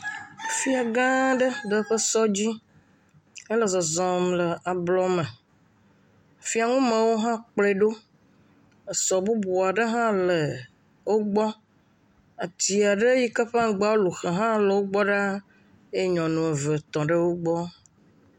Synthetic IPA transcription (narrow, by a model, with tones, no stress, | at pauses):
fi˦a˨ɡã˦ɖə˦ɖə˦ɸə˦sɔ˦d͡ʑi˦ | ə˦lə˨zɔ˨zɔ̃˨mlə˨a˨blɔ˦mə̃˨ | fi˦a˨ŋũ˦mə̃˨wo˦ɦã˦k͡ple˦ɖo˦ | ə˨sɔ˨bu˦bo˨a˨ɖə˦ɦã˦lə˨ | wo˦ɡ͡bɔ˦ | a˨t̪i˨a˨ɖə˦ji˦kə˦ɸa˦ɡ͡ba˦wo˦lu˨xə˨ɦã˦lə˨wo˦ɡ͡bɔ˦ɖa˦ | e˦ɲɔ̃˨nũ˨e˨və˨t̪ɔ̃˨ɖə˦wo˦ɡ͡bɔ˦